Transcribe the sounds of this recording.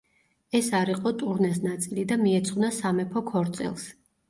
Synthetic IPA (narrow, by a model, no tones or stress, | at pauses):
ɛsaɾiqʼɔt̪ʼuɾnɛs̬nat̪sʼilid̪amiɛt̪sʰʼχʼwnasamɛpʰɔkʰɔɾt̪sʼḭlˠs